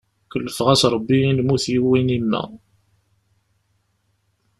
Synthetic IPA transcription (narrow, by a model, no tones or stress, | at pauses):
kəlːəfʁæsɾˤəbːiinmuθjiwːinimːæ̰